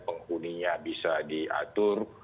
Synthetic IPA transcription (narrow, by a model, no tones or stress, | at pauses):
pəŋhuniɲabisadiʔa̰t̪ʊr